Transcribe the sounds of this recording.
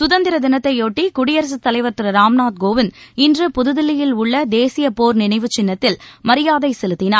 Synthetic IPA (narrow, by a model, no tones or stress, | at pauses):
sʊðɐnd̪ɪɾɐd̪ɪnɐt̪ːɐɪoːʈːikʊɽɪjɐɾɐs̬ɯt̪ːɐlɐɪʋɐɾt̪ːɪɾɐɾaːmnaːt̪̚ɡoːʋɪnɪndrɯpʊðɯðɪlɪjɪlʊɭːɐd̪eːsɪjɐpoːɾnɪnɐɪʋɯt͡ʃɪnːɐt̪ːɪlmɐɾɪjaːðɐɪsɛlɯt̪ːɪnaːɾ